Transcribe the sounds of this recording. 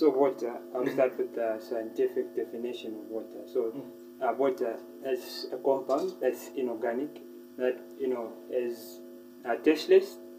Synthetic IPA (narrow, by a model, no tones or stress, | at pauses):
sovwɔtəalstatwɪðəsajə̃ntifɪk̚dɛfɪnɪʃɔ̃nɔvwɔtʰə̰so | əwɔtə | ɪsəkɔ̃mpãʊ̃ndðatsɪ̃nɔɡanɪk | ðat̚ | junoɪz | atɛslɛs